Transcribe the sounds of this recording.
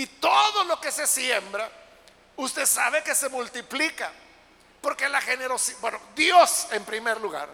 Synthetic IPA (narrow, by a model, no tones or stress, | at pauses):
it̪o̞ðo̞lo̞ke̞se̞sjembɾa | ust̪e̞saβ̞e̞ke̞se̞mult̪iplika | po̞ɾkelaxe̞neɾo̞sibwenod̪jo̞se̞mpɾime̞ɾluɣa̰ɾ